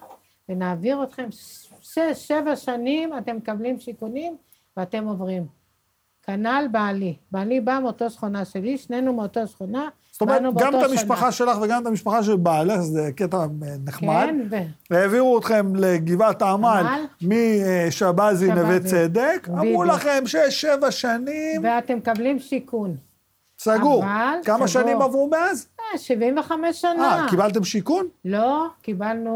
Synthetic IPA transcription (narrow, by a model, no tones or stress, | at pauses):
venaːviʁot̪χe̞mʃeʃevaʃanimatemːekablimʃikunim | veate̞mo̞vʁim | kanalbalibalibameot̪osχonaʃeliʃnenumeot̪osχona | z̥ot̪omeʁetnuɡamt̪amiʃpaχaʃelaχveɡamt̪amiʃpaχaʃ̬elbalezeket̪aneχkmad̪nveeeviʁuot̪χe̞mleɡivat̪amalmiʃabazinevet͡sed̪ekamʁulaχemʃeʃevaʃanimveat̪emkablimʃikun | saɡuʁalkamaʃanimavʁumeazeʃivimveχamesːanaakibalt̪̬e̞mʃikunlokibalnu